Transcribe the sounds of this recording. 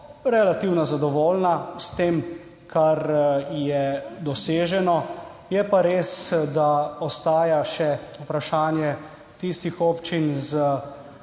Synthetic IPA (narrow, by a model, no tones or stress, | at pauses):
ɾɛlat̪iwnɔzad̪ɔʋoːlnast̪eːm | kʰaɾjɛd̪ɔseːʒɛnɔjɛpaɾeːsd̪aɔst̪aːjaʃɛupɾaʃaːnjɛ | t̪ist̪ixoːpt͡ʃinzə